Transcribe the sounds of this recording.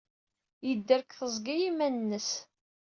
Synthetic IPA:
jəd̪ːəɾkθəzˤɡæjimænnːəs

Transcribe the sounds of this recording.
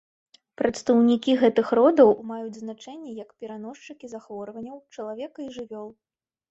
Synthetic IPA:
pɾɐt̪st̪ɐwnʲikʲiɣɛt̪ɨxɾɔd̪ɐwmajud͡zʲznat͡ʂɛnʲːɛjɐkpʲɛɾanɔʂt͡ʂɨkʲizaxvɔɾvɐnʲːɐwt͡ʂɐlˠavʲɛkɐiʐɨvʲɔlˠ

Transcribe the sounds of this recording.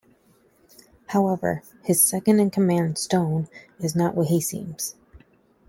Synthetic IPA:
haʊɛvə̰˞ | ɨz̥sɛkɨ̃ndɨ̃nkʰəmæ̃nd̥stõʊ̃nɨznəʔwʌt̚hisḭ̃mz̥

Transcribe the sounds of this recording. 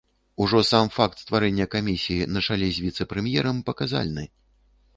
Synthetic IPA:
uʐɔsamfak̚t̪st̪vaɾɛnʲːɐkamʲisʲijinɐt͡ʂalʲɛzʲvʲit̪sɛpɾɛmjɛɾɐmpɐkaza̰lʲnɨ

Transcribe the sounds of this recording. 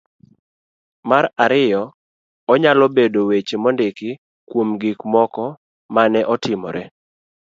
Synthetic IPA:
maɾaɾɪjɔ | ɔɲalɔbedowet͡ʃemɔndɪkɪ | kwomɡikmɔkɔ | manɛʔɔtɪmɔ̰ɾɛ̰

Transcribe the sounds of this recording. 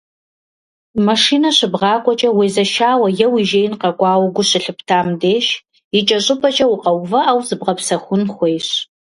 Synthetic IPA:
mɐʂiːnɐɕɪbʁɑːkʷʼɔt͡ʃʼɐweːzɐʃaːwɐjɛwiʒeːjɪnqɐkʷʼɑːwɡʷʊɕɪɬɨpʰtʰaːmdeːʃ | jit͡ʃʼɐɕʼɨpʰʼɐt͡ʃʼɐwʊqɐwvɐʔawzɨbʁɐpsɐxʷʊnχʷejɕ

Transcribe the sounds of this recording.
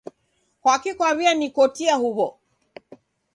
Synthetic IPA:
kwakikwaβianikɔtiahuβɔ

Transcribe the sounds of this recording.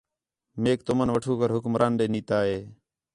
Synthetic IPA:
meːk̚t̪ʊmənʋəʈʰuːkəɾɦʊkmɾʔaːnɗeːniːt̪aːɦeː

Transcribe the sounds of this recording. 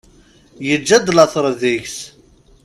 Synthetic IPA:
jəd͡ʒːæd̪lɑθˤɾˤðiʝs

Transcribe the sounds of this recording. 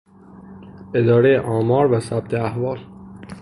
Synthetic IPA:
ʔe̞d̪ɒːɾejeʔɒːmɒːɾvæsæb̥̚t̪ʰeæhvɒːl

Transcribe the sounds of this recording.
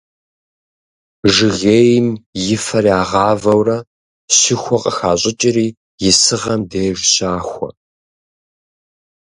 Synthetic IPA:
ʒɨɣeːjɪmjɪfɐɾiaːʁɑːvɐwrɐ | ɕɪxʷɔqʼəxaːɕʼɪt͡ʃʼɪɾiː | jɪsɨʁɐmdeːʒʷɕaːxʷɔ̰

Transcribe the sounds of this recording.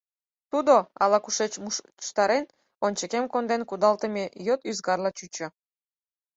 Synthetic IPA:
t̪ud̪oɑ̰lɑkuʃet͡ɕu | ʃt̪ɑɾen | onʲt͡ɕəkemkond̪enkud̪ɑlt̪əmejøt̪yzɡɑrlɑt͡ɕyt͡ɕø̆

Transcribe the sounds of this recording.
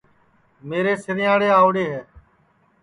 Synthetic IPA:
meːɾeːsɪɾɪjaːɽeːaːʋɽeːɦɛː

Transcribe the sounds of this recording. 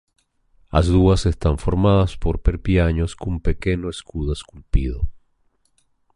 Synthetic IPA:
a̰zðuase̞st̪aɱfo̞ɾmaðaspo̞ɾpeɾpjaɲo̞skompe̞ke̞noeskuðaeskulpiðo̰

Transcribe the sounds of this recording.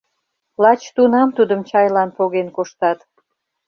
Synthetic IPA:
lɑt͡ɕt̪unɑmt̪ud̪əmt͡ɕɑjlɑnpoɣenkoʃt̪ɑt̪

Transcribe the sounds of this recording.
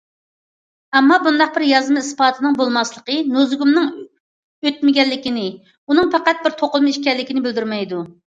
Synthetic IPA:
ɛmːɑbund̪ɑq̚bɪɾjɑzmɨispɑːt̪ʰɨnɨŋbolˠmɑslˠəqənuzɡumnɨŋ | øt̪̚mɪɡʲɛlːɪkʲɪnɪ | unɨŋpʰɛqæt̪̚bɪɾt̪ʰoqʊlˠmɨiʃkʲɛlːɪkʲinɪbɪld̪yɾmɛjd̪u

